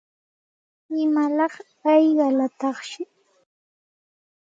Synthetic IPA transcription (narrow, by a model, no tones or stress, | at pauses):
ɪmalɑχ | ɑjɢɑlat̪ɑχʃɪ